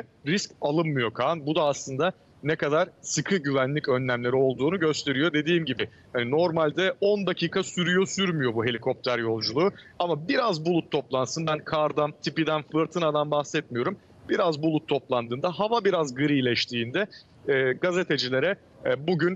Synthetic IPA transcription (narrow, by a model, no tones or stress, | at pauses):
ɛɾiscalˠɯnmɯjo̞kʰanbud̪aːslˠɯnd̪a | nɛkad̪aɾ̥sɯkʰɯɟyvænlʲicø̞nlʲæmlʲe̞ɾio̞lˠd̪uːnuɟø̞st̪ʰe̞ɾijo̞d̪e̞d̪iːmɟibɪ | hanino̞ɾmalʲd̪ɛo̞nd̪acʰiːkʰasyɾyjo̞syɾmyjo̞buɦe̞lʲikʰo̞p̚t̪ʰæɾjo̞lˠd͡ʒulˠuːamabiɾazbulˠut̪ʰːo̞plˠansɯnbænkʰaɾd̪ant̪ʰipid̪ænfɯɾt̪ʰɯnad̪anbahsɛt̪̚mijo̞ɾum | b̥iɾazbulˠut̪ʰːo̞plˠand̪ɯːnd̪aɦavabiɾazɡɯɾiːlʲɛʃt̪ʰiːnd̪ɛː | ɡaze̞t̪ʰe̞d͡ʒilʲe̞ɾɛ | buɟyn